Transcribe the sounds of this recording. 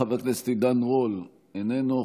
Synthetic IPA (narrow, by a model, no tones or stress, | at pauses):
avaklest̪id̪anʁol | enenu